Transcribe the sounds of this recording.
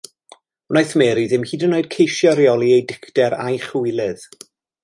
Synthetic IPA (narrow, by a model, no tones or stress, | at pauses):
najθmɛːɾiðɪmhiːdənːoːɨd̥̚kʰejʃjɔɾjɔlˠiejdɪkʰtɛɾa̰jχujlˠɪð